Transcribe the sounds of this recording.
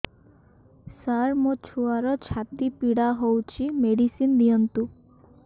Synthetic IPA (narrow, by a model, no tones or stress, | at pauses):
saɾmot͡ʃʰuaɾɔt͡ʃʰat̪ipiɽaɦowt͡ʃʰimeɽisind̪ijɔnt̪u